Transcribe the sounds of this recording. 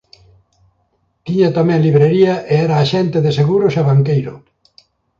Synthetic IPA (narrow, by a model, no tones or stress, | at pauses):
t̪iɲat̪amɛ̃ŋliβɾeɾiɐʔeɛɾaːʃɛnt̪eðeseɣuɾʊsaβaŋkejɾʊ̰